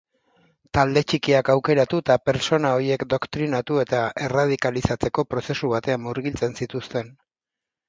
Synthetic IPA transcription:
t̪ald̪e̞t͡ʃikiakawke̞ɾat̪ut̪ape̞ɾt͡so̞nao̞ɾie̞kd̪o̞kt̪ɾinat̪ue̞t̪aʔe̞rað̞ikalisat͡se̞ko̞pɾo̞se̞suβ̞at̪e̞amːuɾɣilt͡se̞nsit̪ust̪e̞n

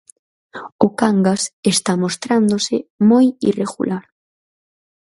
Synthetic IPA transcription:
okaŋɡasest̪amost̪ɾand̪osɪmojḭreɣṵlʔaɾ

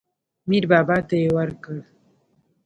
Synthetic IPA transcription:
miɾbaːbat̪aewaɾkəɾ

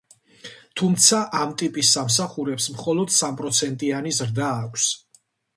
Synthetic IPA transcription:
t̪ʰumt̪sʰaʔamt̪ʼipʼisːams̬aχuɾɛpsmχɔlɔd̪̥sampʼɾɔt̪sʰɛnt̪ʼianizɾd̪aːkʷʰs

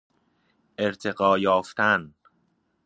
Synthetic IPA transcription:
ʔe̞ɾt̪ʰe̞ɣɒːjɒːft̪ʰæn

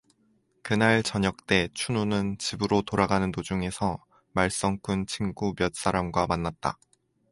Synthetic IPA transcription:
kɯnaɭt͡ɕʌɲʌk̚t͈e̞t͡ɕʰununɯnt͡ɕibɯɾotoɾaɡanɯntod͡ʑuŋe̞sʰʌ | maɭs͈ʌŋkʰunt͡ɕʰiŋɡumjʌt̚s͈aɾamɡwamanːat̚t͈a̰

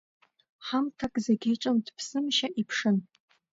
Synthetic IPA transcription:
ħamtʰakʼzaɡʲejʈ͡ʂʼɨmdpʰsɨmʃaʔipʰʂɨn

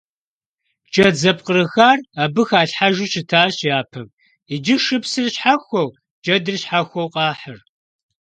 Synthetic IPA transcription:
t͡ʃʼɐd͡zɐpqʼərɨxaːrabɨxaːɬħaʒuɕʰɪtʰaːɕjaːpʰɐm | id͡ʒɪʂɨpsɨrɕħaxʷɔw | d͡ʒʼɐdɨrɕħaxʷɐwqʼɑːħər

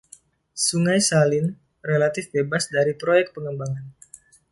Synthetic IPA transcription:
suŋajsalɪn | relat̪ɪfbebasdaɾipɾojɛk̚t̪̚pəŋəmbaŋan

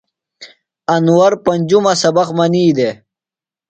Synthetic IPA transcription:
ɐnwɐɾpɐnʲd͡ʑumɐsɐbɐqmɐniːd̪e

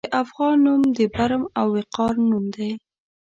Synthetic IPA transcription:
d̪əʔafɣɑnːumd̪əbaɾmawːɪqɑɾnumd̪aj

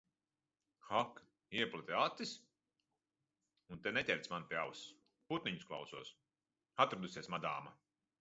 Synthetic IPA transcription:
xak | iɛplˠat̪iat̪ːis | unt̪ɛnɛt̪ʲɛlʲt̪smanpʲjaws | put̪niɲusklˠa̰wsuɔs | at̪ɾad̪usiɛsmad̪aːma

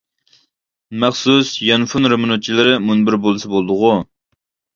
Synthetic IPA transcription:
mæχsusjɑnfunɾemunut̪̚t͡ʃʰilˠɪɾɪmunbɪɾbolˠɨsɐbolˠd̪ʊʁʊ

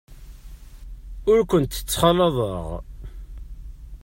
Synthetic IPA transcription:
ʊɾkʷənt̪ə̥t͡sːχɑlɑðˤə̰ʁ

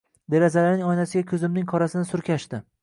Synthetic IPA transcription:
d̪e̞ɾazalaɾnɪŋɒjnasɪɡʲakʲʰɵzɪmnɪŋkʰɒɾasɪnɪsʊɾkʲʰaʃt̪ɪ

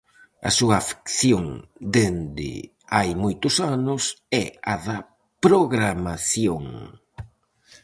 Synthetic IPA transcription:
ɐ̰suɐfi̥kθjoŋd̪end̪ɪ̰ | ajmojt̪ʊsanʊsɛɐðɐ | pɾoɣɾamaθjoŋ

